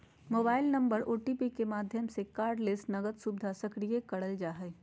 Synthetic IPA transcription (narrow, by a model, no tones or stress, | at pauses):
moːbaːɪlnɐ̃mbəɾoːʈipikemaːd̪ʱjəmsekaːɾɖlɪsʈnɐɡət̪subd̪ʱasɐkɾijekɐɽəld͡ʒaːɦɛː